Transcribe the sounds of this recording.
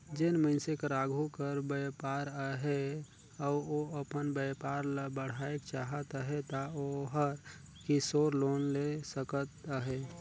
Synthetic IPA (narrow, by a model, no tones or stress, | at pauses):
d͡ʒɪnməɪnsekəɾaɡʱukəɾbəpaɾəɦe | ɔoəpənbəjpaːɾləbəɽ̤aekt͡ʃaɦət̪əɦet̪aoɦəɾ | kisoɾloːnlesəkət̪əɦe